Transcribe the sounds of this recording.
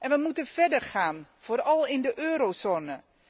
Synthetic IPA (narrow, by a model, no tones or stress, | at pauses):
ʔɛnʋəmutənv̥ɛdəɹχaːnv̥oːɾɑlˠɪndəʔøːɾozoːnə